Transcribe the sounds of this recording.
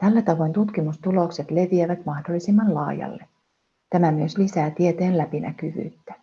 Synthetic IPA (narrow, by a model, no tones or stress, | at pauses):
t̪ælːæt̪ɑʋo̞jnt̪ut̪k̟imust̪ulo̞kse̞t̪le̞ʋieʋæt̪mɑhdolːisimːɑnlɑ̰ːjɑ̰lːe̞ | t̪æmæmyøslisæːt̪iet̪e̞ːnlæpinæ̰kyʋy̰ːt̪ːæ